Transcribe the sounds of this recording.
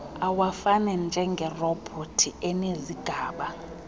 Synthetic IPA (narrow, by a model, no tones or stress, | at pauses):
awafanɛnd͡ʒʱɛŋɡʱɛrɔbʰʱotʰiʔɛneziɡ̥ʱaːɓa